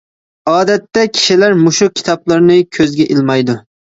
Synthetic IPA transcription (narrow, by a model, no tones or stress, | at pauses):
ɑːd̪ɛt̪ːɛkʲʰi̥ʃilæɾmʊʃukʲʰi̥t̪ʰɑblˠɑɾnɨkʲʰøzɡʲɛʔɪlmɑjd̪ʊ